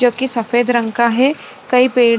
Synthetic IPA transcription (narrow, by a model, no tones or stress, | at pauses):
oːkisɐfeːd̪ɾə̃ŋkaɦɛ | kɐipeːɽ